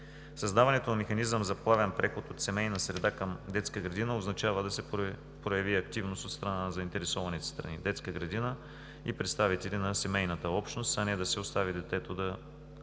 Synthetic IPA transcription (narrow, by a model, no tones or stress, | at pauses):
sɐzd̪avɐnɛt̪onɐmɛxɐnizəmzɐplˠavɛnpɾɛxot̪ot̪sɛmɛjnəsɾɛd̪akɐmd̪ɛt̪skəɡɾɐd̪inəoznɐt͡ʃavəd̪ɐsɛ | pɾojɐviɐk̚t̪ivnost̪ot̪st̪ɾɐnanzɐint̪ɛɾɛsɔvɐnit̪ɛ̥st̪ɾɐ̰nḭd̪ɛt̪skəɡɾɐd̪inə | ipɾɛt̪st̪avit̪ɛlʲinɐsɛmɛjnɐt̪əɔpʃt̪nost̪ɐnɛd̪ɐsɛost̪avid̪ɛt̪ɛt̪od̪ɐ